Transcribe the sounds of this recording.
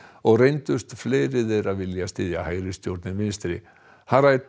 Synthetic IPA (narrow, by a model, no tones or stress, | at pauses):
ɔɣrejnt̪ʏst̪fleːjɾɪðejɾaðvɪljast̪ɪːðjahaːjɾɪst̪jowɾt̪nɪmɪnst̪ɾɪ̰ | haɾa